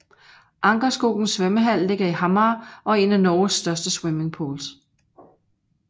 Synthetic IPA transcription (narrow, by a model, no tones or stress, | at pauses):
ʔɑ̈ŋɡ̥ɐsɡ̥o̝ɡ̥n̩sːʋeməɦæl̰ːe̝ɡ̥ɐiɦɑ̈mɑːʔɒ̽e̝nænɒːsːd̥ɶɐsd̥əsweme̝ŋpʰo̝̰ːls